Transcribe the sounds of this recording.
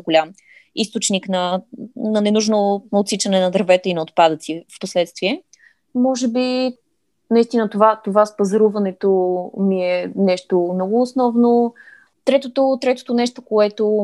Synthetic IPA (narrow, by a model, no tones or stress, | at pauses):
ɡolʲam | ist̪ot͡ʃniknɐnɐnɛnuʒnoot̪sit͡ʃɐnɛnɐd̪ɾɐvɛt̪əinɐot̪̚pad̪ət̪sifposlɛt̪st̪viɛ | mɔʒɛbi | nɐist̪inət̪ovat̪ovaspɐzɐɾuvɐnɛt̪omiɛnɛʃt̪omnɔɡʊːsnɔvno | t̪ɾɛt̪ot̪ot̪ɾɛt̪o̥t̪onɛʃt̪okoɛt̪o